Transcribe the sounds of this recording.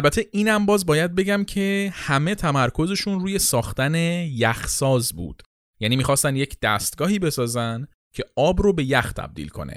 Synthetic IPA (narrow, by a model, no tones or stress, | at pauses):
ælbæt̪ʰe̞ʔiːnæmbɒːzbɒːjæd̪̚be̞ɟæmcʰe̞hæme̞t̪ʰæmæɾkʰo̞ze̞ʃunruːje̞sɒːxt̪æne̞jæxsɒːzbṵːd̪̥ | jæːniːmiːxɒːst̪ænd̪je̞cʰd̪̥æ̰st̪ɡɒːhiːbe̞sɒːzænd̪ | cʰe̞ʔɒːbɾobe̞jæxt̪ʰæ̰b̥̚d̪ḭlkʰo̞̰nḛ